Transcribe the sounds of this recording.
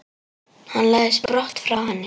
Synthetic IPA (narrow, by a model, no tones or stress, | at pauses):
hanlɛspɾɔht̪fɾawhɛnːɪ